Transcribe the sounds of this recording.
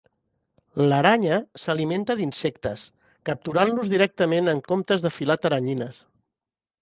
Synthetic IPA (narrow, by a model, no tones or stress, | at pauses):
ləɾaɲəsəliment̪əðinsɛkt̪əs | kəp̚t̪uɾanluzðiɾɛk̚t̪əmenəŋkomt̪əzðəfilat̪əɾəɲinəs